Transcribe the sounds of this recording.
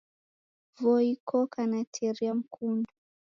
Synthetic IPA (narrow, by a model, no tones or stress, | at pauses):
vɔikʰɔkanatʰɛɾiam̩kʰundu